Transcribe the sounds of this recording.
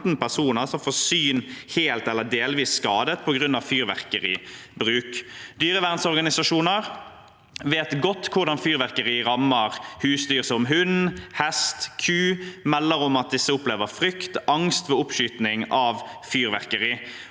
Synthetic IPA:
t̪n̩pæʁsuːnəʁsɔmfoːsyːnheːlt̪ɛlːəd̪eːlʋiːsːkɑːd̪ət̪̚pʰɔɡʁʉnɑʋfyːɾʋæ̰ʁkəɾḭːbɾʉːkd̪yːɾəʋæʁnsɔʁɡɑnɪsɑʂuːnəʁ | ʋeːt̪ɡɔt̪ːkʰʊʁɖ̪ɑnfyːɾʋæʁkəɾiːɾɑmːəʁhʉːsd̪yːʁsɔmɦʉnhɛst̪kʰʉːmɛlːəɾɔmɑt̪̚d̪ɪsːəʊpleːʋəɾfʁʏkt̪ʔɑŋst̪ʋeːʊpʃyːt̪nɪŋɑʋfyːɾʋæʁkəɾiː

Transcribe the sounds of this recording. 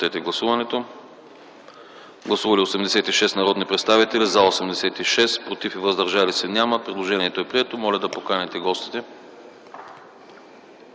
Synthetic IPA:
ɛt̪ɛɡlˠɐsuvɐnɛt̪o | ɡlˠɐsuvɐliosɛmd̪ɛsɛt̪iʃɛsnɐɾɔd̪nipɾɛt̪st̪avit̪ɛlizaosɛmd̪ɛsɛt̪iʃɛst̪pɾot̪ifivɐzd̪ɐɾʒalisɛnʲaməpɾɛd̪lˠoʒɛniɛt̪oɛpɾiɛt̪omɔlʲɐd̪ɐpokanɛt̪ɛɡɔst̪i̥t̪ɛ

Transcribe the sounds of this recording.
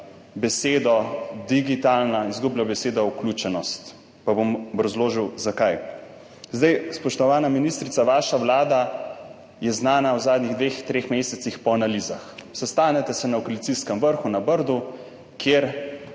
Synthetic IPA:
bɛseːd̪ɔd̪iɡit̪alnaizɡublabɛseːd̪auklʲut͡ʃɛnɔst̪ | pabombɾɔzloːʒiwzakaj | zd̪ajspɔʃt̪ɔʋaːnaminist̪ɾit̪aʋaːʃaʋlaːd̪a | jɛznaːnawzaːd̪niɣd̪ʋeːxt̪ɾeːxmeːsɛt̪sixpɔanaliːzaxsɛst̪aːnɛt̪ɛsɛnaɔkolit̪iskɛmʋəɾxunabəɾd̪u | kjeːɾ

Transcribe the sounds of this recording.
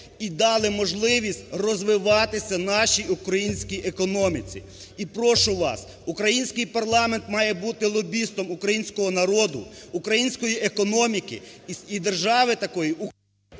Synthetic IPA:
id̪ɑlˠɪmɔʒlˠɪʋʲisʲtʲrɔzʋɪʋɑt̪ɪsʲɐnɑʃiukɾɐjinʲsʲkʲiʔekɔnɔmʲit͡sʲḭ | ipɾɔʃʊʋɑ̰s | ukɾɐjinʲsʲkɪjpɐrlˠɑment̪mɑjɛbut̪ɪlˠɔbʲist̪ɔmukɾɐjinʲsʲkɔɦɔnɐɾɔd̪ʊ̰ːkɾɐjinʲsʲkɔjiʔekɔnɔmʲikɪ̰id̪erʒɑʋɪt̪ɐkɔjiu

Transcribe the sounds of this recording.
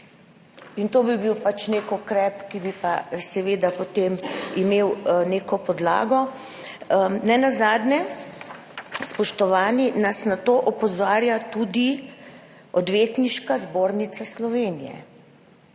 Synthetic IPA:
int̪oːbibiwpat͡ʃnekɔkɾɛpkibipasɛʋeːd̪apot̪emimeːwneːkɔpɔd̪la̰ːɡɔ | nɛnazaːd̪nɛ | spɔʃt̪ɔʋaːninasnat̪oʔɔpɔzaːɾjat̪ud̪i | ɔd̪ʋeːt̪niʃkazboːɾnit̪saslɔʋenijɛ̰

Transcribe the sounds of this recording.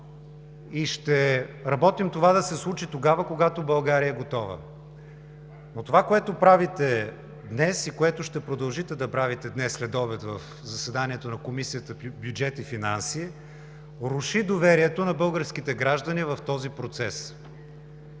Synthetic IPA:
iʃt̪ɛɾɐbɔt̪imt̪ovad̪ɐsɛslˠut͡ʃit̪oɡavəkoɡat̪obɐlˠɡaɾiəɛɡot̪ɔvə̰ | not̪ovakoɛt̪opɾavit̪ɛ | d̪nɛsikoɛt̪ʊʃt̪ɛpɾod̪ɐlˠʒit̪ɛd̪ɐpɾavit̪ɛd̪nɛsːlɛd̪ɔbɛt̪vɐf | zɐsɛd̪aniɛt̪onɐkomisijət̪əbʲjud͡ʒɛt̪ifinansi | ɾʊʃid̪ovɛɾiɛt̪onɐbɤlˠɡəɾsk̟it̪ɛɡɾaʒd̪ɐnivɐft̪ɔzipɾot̪sɛs

